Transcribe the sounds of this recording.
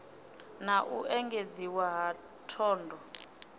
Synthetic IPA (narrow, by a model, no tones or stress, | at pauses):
naʔuʔɛŋɡʱed͡ziwaɦa | tʰɔːndʱɔ